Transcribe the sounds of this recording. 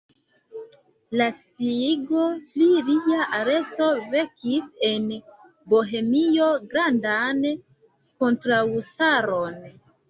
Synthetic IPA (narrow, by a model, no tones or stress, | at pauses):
lasiɡo̞liliaʔaɾe̞t͡so̞ve̞kise̞n | boɦe̞mio̞ɡɾandan | ko̞ntɾaustaɾon